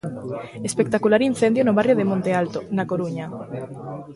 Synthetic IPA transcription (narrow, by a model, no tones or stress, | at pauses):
espek̚t̪akulaɾin̟θend̪jonoβarjoðemõnt̪ealt̪onakoɾuɲa